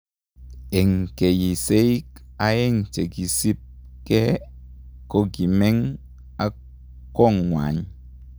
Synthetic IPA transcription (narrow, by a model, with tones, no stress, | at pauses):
e˨ŋ˨ke˨ji˨se˦i˦ka˦je˦˨ŋ˨t͡ʃe˨ki˨si˦p̚ke˦ | ko˦ki˨me˦ŋ | a˦ | kɔ˦˨ŋŋʷa̰˨ɲ